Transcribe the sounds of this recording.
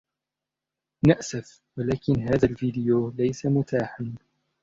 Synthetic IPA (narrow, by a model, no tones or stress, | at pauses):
naʔsaf | walaːkɪnɦaːðalviːd̪ɪjoːlajsamʊt̪aːħan